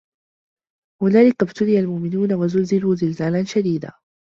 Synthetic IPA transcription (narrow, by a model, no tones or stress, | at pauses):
hʊnaːlɪkabt̪ʊlɪjalmʊʔmɪnuːnawazʊlzɪluːzɪlzaːlanʃad̪iːd̪a̰ː